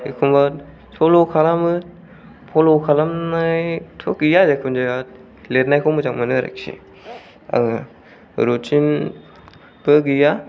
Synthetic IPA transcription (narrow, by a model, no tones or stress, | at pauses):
ikʰumba | tʰolokʰalamɯ | pʰolokʰalamnajtʰokijazekʰund͡ʒaa | let̚najkʰɔmɯzaŋmanɯɾa̰ksʰḭ | a̰ | ɾotʰin | bɯɡija